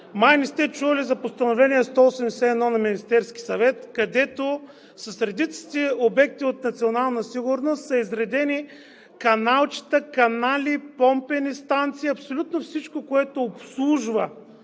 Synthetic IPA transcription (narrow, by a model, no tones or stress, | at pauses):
majnist̪ɛt͡ʃuvɐlizɐpost̪ɐnovlɛniɛst̪ɔosɛmd̪ɛsɛɛd̪nɔnɐminist̪ɛɾsk̟ʲi̥sɐvɛt̪kɐd̪ɛt̪o | sɐsɾɛd̪it̪si̥t̪ɛobɛk̚t̪iot̪̚nɐt̪sionalˠnəsiɡʊɾnost̪sɐizɾɛd̪ɛni | kɐnalˠt͡ʃi̥t̪əkɐnalʲipɔmpɛnist̪ant̪siːɐpsolʲut̪nofsit͡ʃkokoɛt̪oːpslˠuʒvə